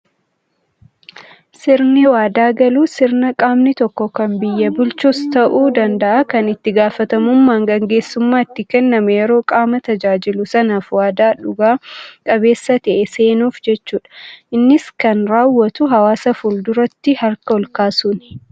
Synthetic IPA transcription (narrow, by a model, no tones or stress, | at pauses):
sɪɾnɛwaːd̪aːɡɐluːsɪɾnɐkʼaːmnɪt̪ɔkːɔkɐmbɪjːɐbʊlt͡ʃust̪ɐʔuːd̪ɐnd̪ɐʔakɐnɪt̪ːɪɡaːfɐt̪ɐmʊmːaːŋɡɐŋɡe̞ːsːʊmːaːɪt̪ːɪkɛnːɐmɛjɛɾo̞ːkʼaːmɐt̪ɐd͡ʒaːd͡ʒɪlʊsɐnaːfwaːd̪aːᶑʊɡaːkʼɐβe̞ːsːɐt̪ɛʔɛse̞ːnuːfd͡ʒɛt͡ʃːuːᶑɐ̥ʔɪnːɪskɐnɾaːwːɐt̪ʊɦɐwaːsɐfuld̪ʊɾɐt̪ːɪhɐɾkɐɔlkaːsun